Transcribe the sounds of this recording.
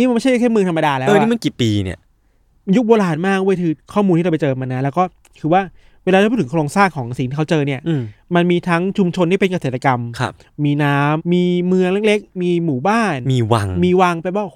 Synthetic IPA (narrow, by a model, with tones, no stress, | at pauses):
i˦˥m˧nm˥˩t͡ɕʰa˥˩ja˥kʰe˥˩mɯ˧əŋtʰa˧mːa˧daː˧lɛ˦ʔəː˧nwi˥˩ma˧nki˨˩piː˧nḭ˦˥˩ɐ | ju˦˥k̚boː˧laː˧nmaː˥˩k̚ʔu˥˩əjk̪ʰɯː˧kʰɔː˥˩mu˧t̪ʰi˥˩a˧pjt͡ɕɤː˧ma˧nːa˦˥lɛ˦˥wkɔː˥˩ | kʰɯː˧waː˥˩ | weː˧laː˧˥˩pʰːt̪ʰŋkʰɾoː˧ŋsaː˥˩ŋkʰɔː˩˦ŋsi˨˩˦ŋt̪i˥˩kʰt͡ɕɤː˧ni˥˩ɐ˧ma˧nmiː˧t̪ʰa˦˥ŋt͡ɕʰu˧mt͡ɕʰo˧nt̪ʰiː˥˩pe˧nka˧seː˨˩t̪ːa˧ka˧mkʰa̰ː˧ | iː˧naː˦˥mːiː˧mɯ˧əŋle˦˥k̚le˦˥k̚miː˧muː˨˩baː˥˩nmiː˧wa̰˧ŋmiː˧wa˧ŋpa˧˩p̚waː˥˩ʔ